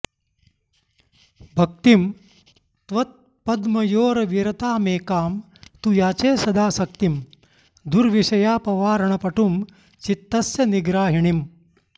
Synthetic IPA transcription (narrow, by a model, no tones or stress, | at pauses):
bʱɐk̚t̪im | t̪ʋɐt̪̚ | pɐd̪mɐjoːɾɐʋiɾɐt̪aːmeːkaːm | t̪ujaːt͡ʃeːsɐd̪aːsɐkt̪im | d̪uɾʋiʂɐjaːpɐʋaːɾɐɳɐpɐʈum | t͡ʃit̪ːɐsjɐniɡɾaːɦiɳim